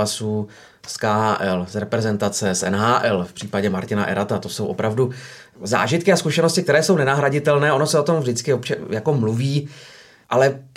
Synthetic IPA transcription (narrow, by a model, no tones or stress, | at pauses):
asu | skaːaːʔɛlsɾɛpɾɛzɛnt̪at͡sɛsʔɛ̰nɦaːʔɛlfpr̝̥iːpaɟɛmaɾcɪna̰ʔɛ̰ɾat̪at̪o̞sowʔopɾavdu | za̰ːʒɪt̪̚kɪaskuʃɛno̞scɪkt̪ɛɾɛːso̞wnɛnaɦɾaɟɪt̪ɛlnɛːʔono̞sɛo̞t̪omvdɪt͡skɪopt͡ʃɛjako̞mluviː | ʔalɛ